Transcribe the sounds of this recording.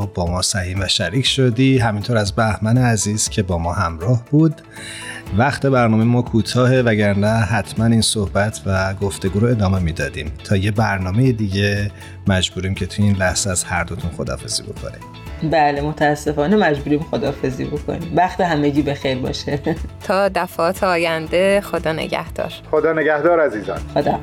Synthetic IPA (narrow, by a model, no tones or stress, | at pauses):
bɒːmɒːsæhiːmvæʃæɾiːcʰʃod̪iɦæmint̪ʰoɾæzbæhmæneæziːz̥cʲʰe̞bɒːmɒːɦæmɾɒːhbuːd̪ | væxt̪ʰe̞bæɾnɒːmejmɒːkʰuːt̪ʰɒːhe̞væɟæɾnæɦæt̪ʰmæniːnsohbæt̪ʰvæɡoft̪e̞ɡuːɾoe̞d̪ɒːme̞mid̪ɒːd̪iːmt̪ʰɒːjebæɾnɒːme̞jed̪iːɟe | mæd͡ʒbuːɾiːmcʰe̞t̪ʰujeiːnlæhz̥eæz̥hæɾd̪o̞t̪ʰunxod̪ɒ̰ːfe̞z̥ḭːbo̞̰kʰo̞̰nḭ | bæːlemot̪ʰæːsːe̞fɒːnemæd͡ʒbuːɾiːmxod̪ɒːfe̞zḭːbokʰo̰niːmvæxt̪eɦæmeɟiːbe̞xejɾbɒ̰ʃet̪ʰɒːd̪æfɒːt̪ʰeɒːjænd̪e̞xod̪ɒːnḛɟæ̰hd̪̥ɒ̰ːɾχod̪ɒːneɡæhd̪ɒːɾæziːzɒ̰ːnxod̪ɒ